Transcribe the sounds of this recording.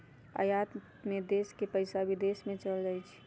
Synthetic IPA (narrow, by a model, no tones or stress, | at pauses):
ə̰jat̪ | mẽd̪eːskepəɪsabʱid̪eːsmẽt͡ʃəld͡ʒaːit͡ʃʰi̥